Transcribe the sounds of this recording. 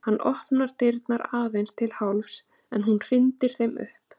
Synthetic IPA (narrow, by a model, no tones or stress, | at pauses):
hanːʔɔhpnaɾt̪ɪɾt̪naɾaːðejnst̪ʰɪlhawlfs | ɛnhunr̥ɪnt̪ɪɾ̥θejmʏ̰hp